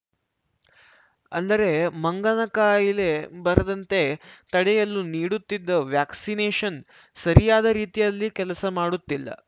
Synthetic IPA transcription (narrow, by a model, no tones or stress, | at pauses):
ɐ̰nd̪ɐɾe̞mɐŋɡɐnɐkaːjile̞bɐɾɐd̪ɐnt̪e̞t̪ɐɽejɐlːuniːɽut̪ːid̪ːɐʋjaːksineːʃɐn | sɐɾijaːd̪ɐɾiːt̪ijɐlːikɛlɐsɐmaːɽut̪ːilːɐ̰